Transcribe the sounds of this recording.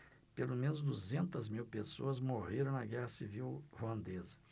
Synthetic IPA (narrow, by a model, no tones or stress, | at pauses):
pelomẽnʊzd̪uzẽnt̪ɐzmiwpesoɐzmoheɾɐ̃w̃nɐɡɛhɐsiviwhuɐ̃nd̪ezɐ̥